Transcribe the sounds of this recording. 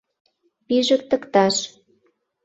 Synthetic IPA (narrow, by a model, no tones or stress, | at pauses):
piʒə̆k̚t̪ə̆kt̪ɑʃ